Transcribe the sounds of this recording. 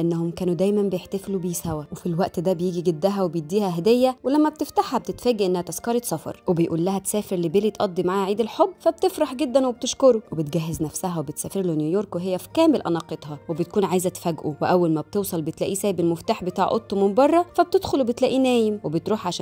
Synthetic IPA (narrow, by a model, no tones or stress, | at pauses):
ʔænːæhomkæːnud̪æjmæmbejeħt̪æflubejishæwæwefilwæʔt̪d̪æbejiːɡiɡed̪ːæɦæwebejed̪ːiːhæɦæd̪ejːæwelæmːæb̚t̪eft̪aħhæb̚t̪et̪fæːɡæʔenːæhæt̪æskɑɾˤet̪sˤɑfɑ̰ɾˤwebejʔuːlːæhæt̪sæːfeɾlibelit̪ʔɑd̪ˤːimaʕaːhʕiːd̪elħobːfæb̚t̪efɾɑħɡed̪ːænweb̚t̪eʃkoɾuwebet̪̚ɡæɦːeznæfsæɦæwebet̪sæːfeɾlonjujoːɾkweɦejːæfi̥kæːmelʔæ̰nɑqet̪hɑwebet̪̚kuːnʕaːjezæt̪fæɡʔṵweʔæwːælmæb̚t̪ewsˤɑlbet̪læʔiːsæːjbelmoft̪aːħbet̪ɑːʕʔo̰t̪ˤːomombɑrˤːɑfæb̚t̪ed̪xolubet̪læʔiːnæːjemwebet̪ɾuːħʕaʃː